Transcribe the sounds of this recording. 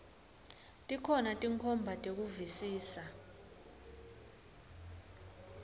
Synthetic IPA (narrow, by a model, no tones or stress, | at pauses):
tʼikʰɔnatʼiŋkʰɔmbʱatʼek̬uvisiːsa